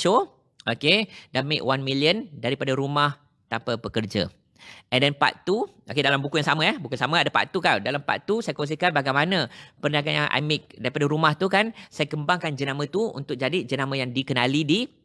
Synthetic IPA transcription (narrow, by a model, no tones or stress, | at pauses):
t͡ʃo | ʔokedamɪ̰ʔwanmiliəndaɾipadaɾumah | t̪ampapəkərd͡ʒa̰ | ʔɛndɛnpa̰t̪uʔokedalambukujaŋsamə̃ɛbukusaməadapa̰ʔt̪ukawdalampa̰ʔt̪usajakos̬ikanbaɡajmanəpəɾənaɡanjaŋʔa̰jmɪk̚daɾipadaɾumaht̪ukansajəkəmbaŋkand͡ʒənamə̃t̪uṵnt̪ʊk̚d͡ʒadid͡ʒənamə̃jaŋdikənalidi